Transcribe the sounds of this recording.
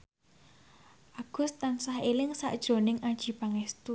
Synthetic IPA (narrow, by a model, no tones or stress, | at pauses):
ʔaɡ̥ʊ̤st̪ansahelɪŋsa̰ʔd̥ʒ̥ɾo̤nɪŋʔad̥ʒ̥i̤paŋɛst̪u